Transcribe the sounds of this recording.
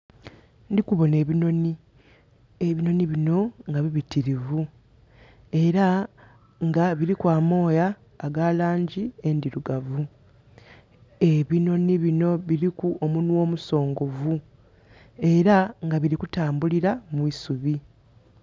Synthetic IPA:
ndikuβo̞ne̞ːβino̞ni | eβino̞niβino̞ŋɡaβiβitiɾivu | e̞ɾa | ŋɡaβiɾikwaːmo̞ːjaː | ɡalaːɲɟie̞ndiɾuɡavu | e̞βino̞niβino̞βiɾikuomunwo̞ːmuso̞ːŋɡo̞vu | e̞ɾaŋɡaβiɾikutaːmbuliɾamwiːsuβi

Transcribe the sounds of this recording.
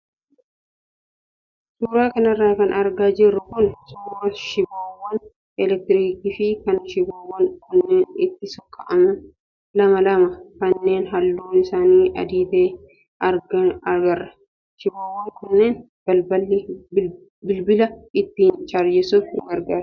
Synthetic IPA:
suːɾaːkɐnɐrːaːkɐnɐɾɡaːd͡ʒɪrːʊkʊnsʊːɐʃɪbaːwːɐn | ɛlɛk̚t̪ɪɾiːkiːfɪkɐnʃɪbaːwːɐŋkʊnːeːnɪt̪ːɪsɔkʼːɐʔɐmɐ | lɐmɐlɐmɐkɐnːe̞ːnɦɐlːuːnɪsaːniːʔɐ̰d̪iːt̪eː | ɐɾɡɐɐɡɐrːɐ | ʃɪbaːwːɐŋkʊnːeːn | b̥ɐlbɐlːi | bɪlbɪlɐɪt̪ːiːnt͡ʃaɾjɛsuːfɪ̰ŋɡɐɾɡaːɾ

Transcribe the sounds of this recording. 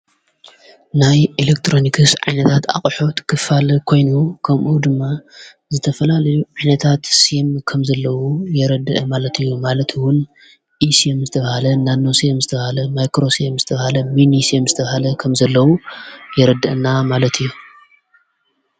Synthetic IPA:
najʔelek̚t̪ʰɾo̞nikʰɨsʕa̰jnɐt̪ʰat̪a̰χʼħot̪kʰɨfalkʰo̞jnukʰɐmʔud̪ɨmːa | zɨt̪ʰɐfɐlalɐjuʕajnɐt̪ʰat̪siemkʰɐmzɐlːɐwujɛɾɐd̪ɐʔɐmalɐt̪ʰɨjːumalɐt̪ʰwʊn | ʔisiemzɨt̪ʰɐβɐhalɐnanːo̞siemzɨt̪ʰɐβɐhalɐmajkɾo̞siemzɨt̪ʰɐβhalɐminisiemzɨt̪ʰɐβhalɐkʰɐmzɐlːɐwujɛɾɐd̪ɨʔɨnamalɐt̪ʰɨjːu

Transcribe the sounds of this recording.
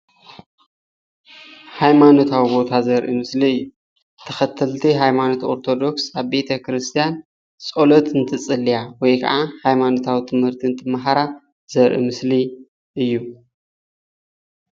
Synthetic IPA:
hajmano̞t̪ʰawibo̞t̪ʰazɐɾʔimɨsliɨjːu | t̪ʰːɐxɐt̪ʰːɐlt̪ʰiɦajmano̞t̪ʰo̞ɾt̪ʰo̞d̪o̞ksaβbe̞t̪ʰɐkɾɨst̪ʰijan | t͡sʼolot̪ɨnt̪ʰɨt͡sʼɨlːijawɔjkʰɐ̰ʕahajmano̞t̪ʰawit̪ʰɨmhɨɾt̪ʰiɨnt̪ʰɨmaɦaɾa | z̥ɐɾʔḭmɨsli | ʔɨjːu

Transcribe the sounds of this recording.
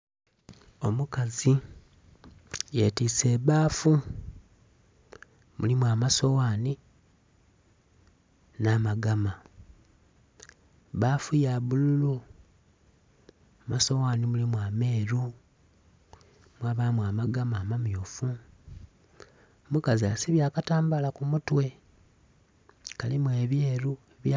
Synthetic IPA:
o̞mukazi | jeːtiːseβaːfu | mulimwaːmaso̞waːni | naːmaɡama | βaːfujaβululu | maso̞waːnimulimwaːme̞ːɾu | mwaβaːmwaːmaɡamaːmamjoːfu | mukaziasiβjaːkataːmbalakumutwe̞ | kalimuwe̞ːβjeːɾueβja

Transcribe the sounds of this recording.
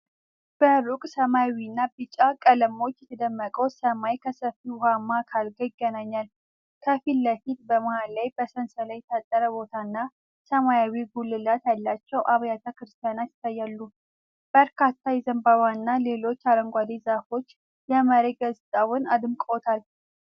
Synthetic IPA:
b̥əɾukʼsəmajawinːabɨt͡ʃʼːakʼələmo̞t͡ʃːjɛt̪ʰəd̪əmːəkʼəwsəmajkʰəsəfihamːakʰalɡəjɪɡːənaɲːal | kʰəfilːəfit̪̚bəmahalːajbəsənsəlajt̪ʰat̪ʼːəɾəbo̞t̪ʰanːa | səmajawiɡulːɨlat̪jalːat͡ʃːɛwʔaβjat̪ʰəkɨɾɨst̪ʰjanat̪ɪ̥t̪ajːalːu | b̥əɾkʰat̪ːajɛzəmbaβanːale̞lo̞t͡ʃːaɾəŋɡʷad̪ezafo̞t͡ʃː | jɛməɾeɡəzt̪ʼawʊnad̪ɨmkʼot̪ʰal

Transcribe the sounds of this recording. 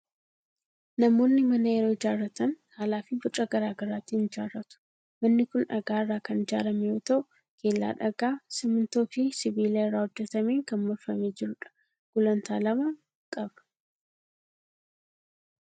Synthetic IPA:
nɐmo̞ːnːɪmɐnɐjɛɾo̞ːɪd͡ʒaːrːɐt̪ɐnkaːlaːfɪbʊt͡ʃʼɐɡɐɾaːɡɐɾaːt̪ːiːnɪd͡ʒa̰ːrːɐt̪ʊ̥ | mɐnːɪkʊnᶑɐɡaːɪrːaːkɐnɪd͡ʒaːɾɐmɛjoːt̪ɐʔʊ | ke̞ːlːa̰ːᶑɐɡaːsɪmɪnt̪o̞ːfɪsɪbiːlɐɪrːaːhɔd͡ʒːɛt̪ɐmeːŋkɐnmɔɾfɐmeːd͡ʒɪɾʊᶑɐ̥ | ɡ̥ʊlɐnt̪ʰa̰ːlɐmɐ | kʼɐbɐ̥

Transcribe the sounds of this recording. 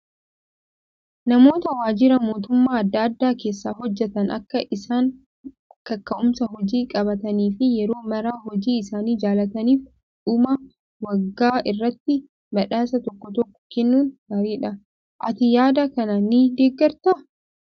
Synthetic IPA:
nɐmo̞ːt̪ɐwaːd͡ʒɪɾɐmo̞ːt̪ʊmːaːɐd̪ːɐːd̪ːaːke̞ːsːaːɦɔd͡ʒːɛt̪ɐnɐ̰kːɐʔɪsaːŋ | kɐkːɐʔʊmsɐɦɔd͡ʒiːkʼɐbɐt̪ɐniːfɪjɛɾo̞ːmɐɾaːhɔd͡ʒiːɪsaːniːd͡ʒaːlɐt̪ɐniːf | ᶑʊmɐ | wɐɡːaːʔɪrːɐt̪ːɪ | mɐᶑaːsɐt̪ɔkːɔt̪ɔkːɔ̥kɛnːuːnɡaːɾiːᶑɐ | ʔɐt̪ɪjaːd̪ɐkɐnɐnːɪd̪eːɡːɐɾt̪ɐ

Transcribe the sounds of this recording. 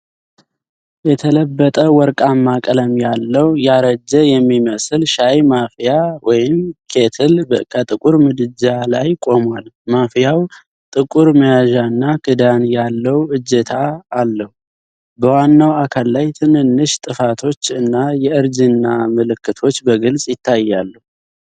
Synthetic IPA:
jɛt̪ʰələbːət̪ʼəwɔɾkʼamːakʼələmjalːəwjaɾəd͡ʒːəjɛmːiməslʃajmafijawɔjɪmkʰe̞t̪ʰɨlkʰət̪ʼɨkʼuɾmɨd̪ɨd͡ʒalajkʼo̞mwalmafijaw | t̪ʼɨkʼuɾməjaʒaɨnːakʰɨd̪anjalːəwʔɨd͡ʒːɛt̪ʰaːlːəhu | bəwanːawakʰalːajt̪ʰɨnɨnːɨʃt̪ʼɨfat̪ʰo̞t͡ʃːɨnːajɛɨɾd͡ʒɨnːamɨlɨkːɨt̪ʰo̞t͡ʃːbəɡɨlsʼjɪt̪ʰːajːalːəhu

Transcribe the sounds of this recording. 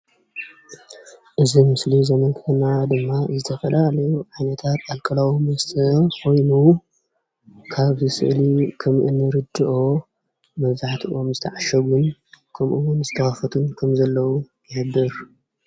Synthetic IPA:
ʔɨzimɨslizɐmɐnkʰnad̪ɨmːazɨt̪ʰɐfɐlalɐjuʕajnɐt̪ʰat̪alkʼɐlawimɐst̪ʰɐkʰo̞jnu | kʰaβzɨsɨ̰ʔlikʰɐmʔɨnːɨɾɨd̪ɨʔo̞ | mɐβzaħt̪ʰiʔo̞mzɨt̪ʰɐʕaʃɐɡunkʰɐmʔuwʊnzɨt̪ʰɐxafɐt̪ʰunkʰɐmzɐlːɐwu | jɪħɨd̪ɨɾ

